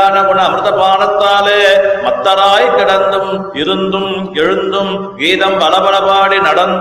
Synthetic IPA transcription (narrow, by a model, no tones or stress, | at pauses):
nɐpɯɳɐɐmɾɯðɐpaːnɐt̪ːaːleːmɐt̪ːɐɾaːjkɪɽɐnd̪ɯm | ɪɾɯnd̪ɯm | ɛɻɯnd̪ɯm | ʋiːðɐmʋɐlɐbɐɭɐbaːɽinɐɽɐnd̪